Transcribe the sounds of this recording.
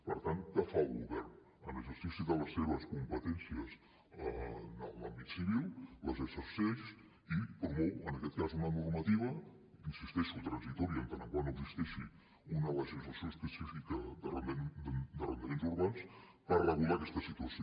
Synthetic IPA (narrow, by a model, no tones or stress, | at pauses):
pəɾt̪ank̪afalˠɣuβɛɾn | ə̰nəʒust̪isiðələsːeβəskumpət̪ɛnsiəz | əə̰lambit̪siβilˠləzəsəsɛs | ipɾumɔwənəkɛt̪kazunənurmət̪iβ̞ə | insist̪ɛʃut̪ɾənzit̪ɔɾiənt̪anəŋkwanoəɡzist̪ɛʃi | unələʒizləsjoəspəsifikəd̪ər | d̪ərənd̪əmenzuɾβans | pərəɣulakɛst̪əsit̪uəsi